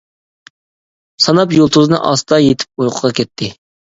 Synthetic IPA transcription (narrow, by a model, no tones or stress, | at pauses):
sɑnɑpjolˠt̪ʰuzɨnɨ̰ʔɑst̪ɑjet̪ʰɪ̥p̚ujqʰəʁɑkʲʰɛt̪ʰːɪ